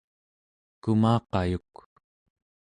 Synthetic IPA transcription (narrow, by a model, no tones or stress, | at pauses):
kumɑːqɑjuk